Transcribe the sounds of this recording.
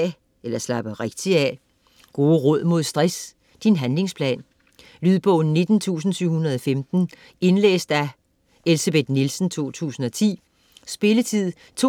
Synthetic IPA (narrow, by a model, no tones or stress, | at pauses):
elɐslɑ̈b̥əʁeɡ̥̚d̥iæ | ɡ̥o̝ːʁɔð̞̰ˠmo̝ðˠsd̥ʁas | d̥inɦænle̝ŋspʰlɛ̰ːn | lyðˠb̥ɔ̽ʊn̩ːe̝d̥n̩t͡sʰṵːs̬n̩syʊhunɐðˠɒ̽femd̥n̩ | e̝nlḛːsd̥æ | e̝lseb̥e̝d̥nilsn̩t͡sʰo̝̰ːt͡sʰṵːsn̩ɒ̽t͡sʰḭː | sb̥e̝lət͡sʰið̰ˠ | t͡sʰo